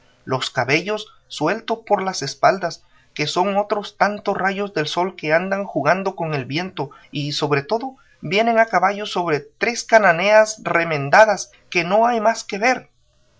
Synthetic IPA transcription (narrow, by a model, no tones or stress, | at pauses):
lo̞skaβe̞ʝo̞sː | we̞lt̪ospo̞ɾlase̞spald̪as | ke̞so̞ŋo̞t̪ɾo̞st̪ant̪osraʝo̞zðe̞lso̞lke̞and̪aŋxuɣand̪o̞ko̞ŋe̞lbje̞nt̪o̞ | iso̞βɾe̞t̪o̞ðo̞ | bje̞ne̞ŋakaβaʝo̞so̞βɾe̞t̪ɾe̞skanane̞asre̞mẽ̞nd̪aðas | ke̞no̞ajmaske̞βe̞ɾ